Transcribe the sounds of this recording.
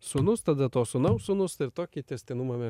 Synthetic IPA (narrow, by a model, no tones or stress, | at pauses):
sʊnʊst̪ɐd̪ɐt̪oːsʊnɐʊsʊnʊst̪ɪɾt̪oːkʲit̪ʲɛsʲt̪ʲɪnʊmɐmʲɛ